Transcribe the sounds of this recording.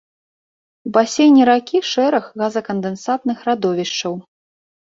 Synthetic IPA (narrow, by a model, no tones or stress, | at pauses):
ubasʲejnʲiɾakʲiʂɛɾɐɣɣazɐkɐnd̪ɛnsat̪̚nɨxrad̪ɔvʲiʂt͡ʂɐw